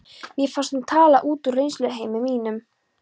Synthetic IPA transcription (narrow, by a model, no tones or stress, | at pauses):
mjɛfanst̪ut̪ʰaːlaʔuːt̪urejnslœðɦeːjmɪmiːnʏm